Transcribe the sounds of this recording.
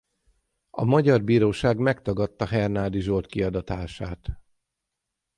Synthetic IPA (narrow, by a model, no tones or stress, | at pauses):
ɒ̰mɒɟɒrbiːɾoːʃaːɡmɛkt̪ɒɡɒt̪ːɒɦɛrnaːd̪iʒort̪kiɒd̪ɒt̪aːʃaːt̪